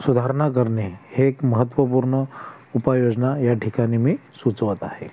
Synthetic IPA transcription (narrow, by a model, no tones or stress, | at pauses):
sud̪ʱaɾɳak̬əɾneheːkməɦət̪ːʋəpuɾɳə | upajod͡znajaʈʰikanimiːsut͡sʋət̪ahḛ